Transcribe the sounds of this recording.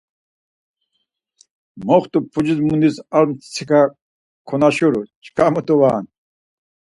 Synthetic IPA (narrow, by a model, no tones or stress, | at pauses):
mɔχt̪upʰud͡ʑizmund̪isaɾmt͡sʰika | kʰɔnaɕuɾut͡ʃʰkamut̪uwaːn